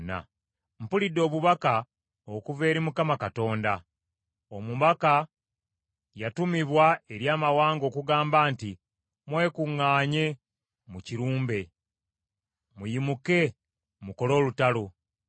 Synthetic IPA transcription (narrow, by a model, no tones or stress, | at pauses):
na̰ | m̩pulidːo̞ːβuβaka | okuve̞ːɾimukamakato̞ːnda | omuβaka | jatumiβwae̞ɾjaːmawaːŋɡo̞ːkuɡaːmbaːnti | mwe̞ːkuŋːaːɲe̞ | muciɾuːmbe̞ | mujimuke̞ | muko̞lo̞ːlutalo